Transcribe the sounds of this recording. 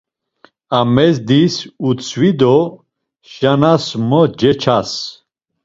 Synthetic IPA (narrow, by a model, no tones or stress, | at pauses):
amɛzd̪isut͡sʰwid̪ɔ | ʃanasmɔd͡ʒɛt͡ʃʰas